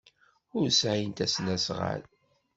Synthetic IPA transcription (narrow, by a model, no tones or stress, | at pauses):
ʊɾsʕajənt̪æsnæsʁa̰l